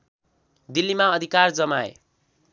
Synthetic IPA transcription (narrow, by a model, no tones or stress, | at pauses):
d̪ilːimaʌd̪ʱikard͡zʌmaḛ